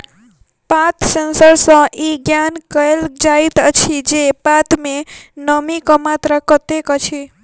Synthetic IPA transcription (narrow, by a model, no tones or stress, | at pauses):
pat̪sensəɾsə̃ʔiɡjankəeld͡ʒait̪ət͡ʃʰid͡ʒepat̪menəmikɔmat̪ɾəkət̪ekət͡ʃʰi